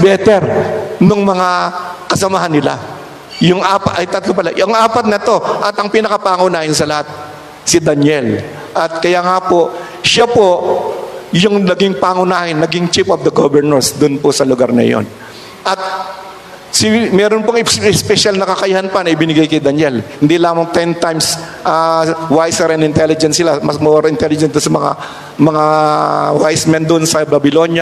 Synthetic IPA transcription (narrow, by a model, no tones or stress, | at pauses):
bɛːt̪ɛɾnoŋmɐŋakɐsɐmaɦanːɪla̰ | jʊŋʔaːpɐt̪ʔɐjt̪ɐt̪lopɐla̰ɐŋʔaːpɐt̪̚nɐt̪o̞ʔɐt̪ɐŋpinɐkɐpaːŋʊnaːhɪnsɐlɐhat̪̚ | sɪd̪ɐnjɛl | ʔɐt̪̚kɐjaːŋapo̞ | ʃapo̞ | jʊŋnɐɡiŋpaːŋʊnaːhɪnːɐɡɪŋt͡ʃipʔɐfd̪ɐɡobɛɹnɛɹsd̪ʊnposɐlʊɡaɾnɐ̰jo̰n | ʔɐt̪̚ | sɪmɛːɾonpoŋɪspɛʃalnɐkɐkɐjahanpanɐʔɪbɪnɪɡajkɐjd̪ɐnjɛlhɪnd̪ilaːmɐŋt̪ɛnt̪ajms | ʔɐwajsɛɾɐnd̪ɪnt̪ɛlɪd͡ʒɛnsɪlamɐsmoɾoɪnt̪ɛlɪd͡ʒɛ̃nd̪ʊnsɐmɐŋa̰ | mɐŋawajsmɛnd̪ʊnsɐbɐbɪlo̞njɐ